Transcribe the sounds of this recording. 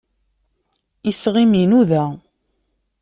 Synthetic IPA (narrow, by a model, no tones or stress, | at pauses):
isʁiminuðæ